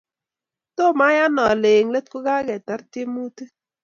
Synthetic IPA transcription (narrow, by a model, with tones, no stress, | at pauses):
to˦˨ma˦ja˦nɔ˨le˨ŋle˦t̚ku˦ɡa˦ɡɛ˨ta˨˦ɾtɪ˦mu˦tɨ˦